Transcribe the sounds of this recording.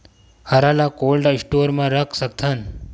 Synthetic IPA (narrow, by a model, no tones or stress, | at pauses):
həɾalakolɖaisʈoːɾmãɾəkʰsək̚t̪ʰan